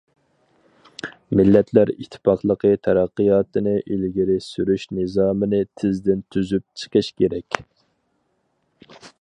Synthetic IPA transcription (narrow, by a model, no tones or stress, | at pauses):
mɪlːɛt̪ʰlæɾit̪ʰːɪ̥pɑqlˠəqʰət̪ʰɛɾæqːəjɑːt̪ɨnɨʔilɡʲiɾɪsyɾyʃnɨzɑːmɨnɨt̪ʰɪzd̪ɪnt̪ʰyzyp̚t͡ʃʰə̥qʰəʃkʲʰeɾɛkʲ